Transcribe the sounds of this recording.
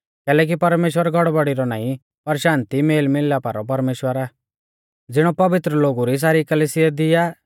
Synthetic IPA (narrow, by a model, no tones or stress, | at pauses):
kɛːlɛːk̬ipɐɾmeːʃwəɾɡʱɔɽbɔɽiɾɔna̰ːĩ | pɐɾʃãːnt̪imeːlmɪlːapaːɾɔp̬ɐɾmeːʃwəɾaː | d͡zɪɽ̃ɔpɐʋɪt̪ɾəloːɡuɾis̬aːɾikɐlisɪjad̪ɪjaː